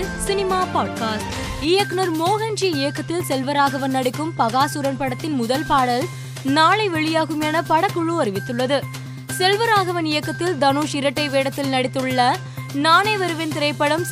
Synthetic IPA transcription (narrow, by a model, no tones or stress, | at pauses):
sɪnɪmaːpaːɖkaːsʈ | ɪjɐknɐɾmoːɣɐnd͡ʒiɪjɐkːɐt̪ːɪlsɛlʋɐɾaːɣɐʋɐnːɐɽɪkːɯmpɐɣaːsuɾɐnpɐɽɐt̪ːɪnmʊðɐlpaːɽɐl | naːɭɐɪʋɛɭɪjaːɣɯmɛnɐpɐɽɐkːʊɭɯɐɾɪʋɪt̪ːɯɭːɐðɯ | sɛlʋɐɾaːɣɐʋɐnɪjɐkːɐt̪ːɪld̪ɐnuːʂɪɾɐʈːɐɪʋeːɽɐt̪ːɪlnɐɽɪt̪ːɯɭːɐ | naːnɐɪʋɐɾɯʋɪnt̪ɪɾɐɪpːɐɽɐm